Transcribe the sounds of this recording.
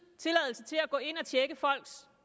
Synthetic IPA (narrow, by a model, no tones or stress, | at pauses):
t͡sʰe̝lɛð̰ˠl̩sət͡sʰe̝læɡ̥ɔ̰̽ːe̝n̰ɒt͡ɕʰjeɡ̥əfɒ̽l̰ɡ̥s